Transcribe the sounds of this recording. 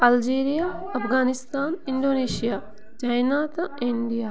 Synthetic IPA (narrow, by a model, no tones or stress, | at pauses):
ɐld͡ʒeːɾijaːɐpɡaːnist̪aːniɳɖoːneːʃijaː | d͡ʒajnaːt̪aiɳɖijaː